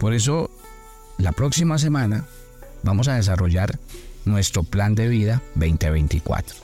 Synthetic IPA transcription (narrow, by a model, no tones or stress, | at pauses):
po̞ɾe̞s̬o̞ | lapɾo̞ksimas̬e̞mãna | bamo̞s̬aðe̞s̬aro̞ʝaɾnwe̞st̪ɾo̞pland̪e̞βiðaβejnt̪eβejnt̪ikwa̰t̪ɾo